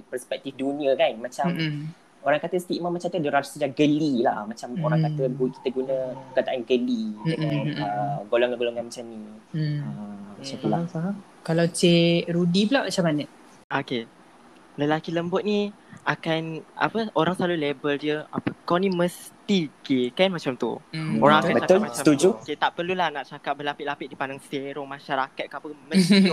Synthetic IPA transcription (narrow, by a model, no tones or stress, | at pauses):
pərspɛk̚t̪ifdunĩəkanmat͡ʃam | oɾaŋkat̪əst̪iʔmãmat͡ʃamt̪ədəɾaɾsəd͡ʒaɡəlilahmat͡ʃamoɾaŋŋkat̪əɡuki̥t̪əɡunəəkat̪aʔanɡəliəŋanəɡolɔŋaɡolɔŋanmat͡ʃamniəmat͡ʃampəla | kalawt͡ʃeʔɾudipəlaʔmat͡ʃamanəʔ | oke | ləlakiləmbʊt̪̚nĩ | akanʔa̰pəoɾaŋsalulebəldiəa̰pəkawnĩməst̪ikekanmat͡ʃamt̪ṵoɾaŋakanbətak̪ʊlmat͡ʃsat̪ud͡ʒuoket̪aʔpərlulahnaʔt͡ʃakaʔ̚bəlapɪʔlapɪt̪ʔ̚dipandaŋseɾɔŋmãʃaɾakat̪̚kapəmə̃i